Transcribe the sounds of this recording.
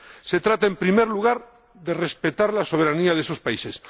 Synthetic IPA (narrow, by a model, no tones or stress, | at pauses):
se̞t̪ɾat̪aempɾime̞ɾluɣaɾ | ðe̞re̞spet̪aɾlaso̞β̞e̞ɾaniaðeso̞spaise̞s